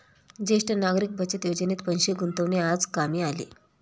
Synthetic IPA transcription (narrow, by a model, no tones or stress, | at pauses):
d͡ʑeʂʈənaɡɾiːk̚bʱət͡ɕet̪jod͡ʑənet̪pənɕeɡunt̪əʋnead͡zkamiːalḭ